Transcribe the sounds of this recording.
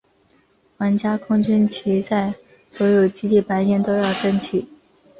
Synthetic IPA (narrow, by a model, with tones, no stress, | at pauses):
xwa˧˥nt͡ɕja˥kʰʊ˥ŋt͡ɕy˥nt͡ɕʰi˧˥t͡sa˥˩ɪ | swɔ˧˥jo˨˩ʊt͡ɕi˥t͡ɕi˥˩pa˧˥ɪɕjɛ˥˩nt̪o˥ʊjɑ˥˩ʊʈ͡ʂɤ˥ŋt͡ɕʰi˨˩˦